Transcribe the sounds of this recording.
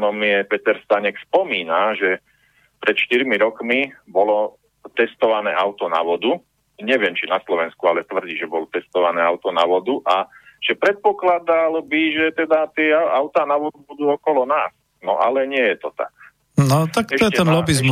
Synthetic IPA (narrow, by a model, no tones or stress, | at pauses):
nɔmiɛpɛt̪ɛɾst̪aɲɛkspɔmiːnaʒɛ | pɾɛt̪ʃt̪iɾmiɾɔkmibɔlɔ | t̪ɛst̪ɔʋanɛːʔaʊt̪ɔna̰ʋɔd̪u | ɲɛʋɪɛmt͡ʃinaslɔʋɛnskualɛt̪ʋr̩ɟiːʒɛbɔlɔt̪ɛst̪ɔʋanɛːaʊt̪ɔnaʋɔd̪uʔaʒ̥ɛpɾɛt̪̚pɔklad̪albiʒɛt̪ɛd̪at̪ɪɛaaʊt̪aːnaʋɔd̪ubud̪uːɔkɔlɔnaːs | nɔ̰ʔalɛɲɪɛjɛt̪ɔt̪a̰k̚ | nɔt̪akɛɔɛtɛɛnlɔbizm